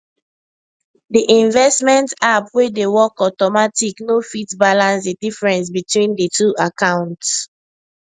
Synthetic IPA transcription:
diʔĩɱvɛstmɛ̃ntapwedewɔkɔtɔmatiknofitbalãnsdidifɹɛ̃ns̬bitwĩndətʰuakãʊ̃nts

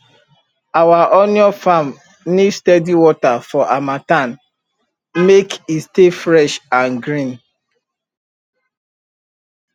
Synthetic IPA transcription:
awaʔɔnjɔfam | nidstɛdiwɔtafɔʔamatan | mekistefɾɛʃãnɡɾĩn

